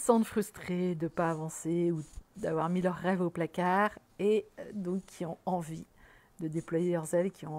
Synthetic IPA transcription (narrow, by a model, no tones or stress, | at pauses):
sɑ̃d̪əfχyst̪χed̪əpaːvɑ̃seud̪avwaʁmilœʁːɛvoplakaʁ | ed̪ɔ̃kʰːiɔ̃ɑ̃vi | d̪əd̪eplwajelœʁzɛlkʲiɔ̃